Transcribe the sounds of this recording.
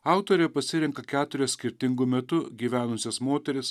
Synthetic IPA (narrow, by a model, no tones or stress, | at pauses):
ɑʊt̪oːɾʲeːpɐsʲɪɾʲɪŋkɐkʲæːt̪ʊɾʲɛsʲkʲɪɾʲt̪ʲɪŋɡʊmʲɛt̪ʊɡʲiːʋʲæːnʊsʲesmoːt̪ʲɛɾʲɪs